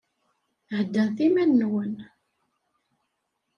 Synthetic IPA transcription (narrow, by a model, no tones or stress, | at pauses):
ʕəd̪ːənθimænːwən